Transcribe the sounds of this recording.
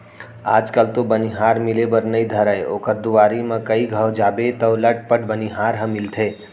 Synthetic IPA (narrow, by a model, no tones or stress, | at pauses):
a̰ːd͡ʒkəlt̪obəniɦaɾmɪlebəɾnəid̪ʱəɾəeo̰ːkəɾd̪uʋaɾimãkəiɡʱəwd͡ʒaːbet̪əwləʈ̚pəʈbəniɦaɾɦə̃mɪlt̪ʰe